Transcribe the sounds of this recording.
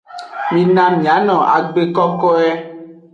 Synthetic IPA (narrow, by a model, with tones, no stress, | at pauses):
mĩ˨nã˦mĩ˨a˨˦nɔ̃˨a̰˨ɡ͡be˦kɔ˦kɔ˦ɛ˦